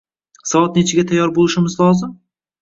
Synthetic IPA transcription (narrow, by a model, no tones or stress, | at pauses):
sɒvɒt̪̚ne̞t͡ʃʰɪɡʲat̪ʰajːɒɾbolˠɪʃɪmɪzlˠɒzɪm